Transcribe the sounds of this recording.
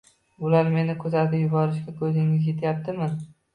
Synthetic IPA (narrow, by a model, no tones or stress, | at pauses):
ʊlaɾme̞nɪkʰɵzat̪ʰɪjʊbɒɾɪʃkʲakʰɵzɪŋɪzjet̪ʰjap̚t̪ʰɪmɪn